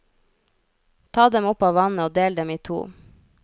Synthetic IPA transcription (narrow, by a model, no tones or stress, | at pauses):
t̪ʰɑːd̪ɛmʊpɑːʋɑnəoːd̪eːld̪ɛmiːt̪ʰṵː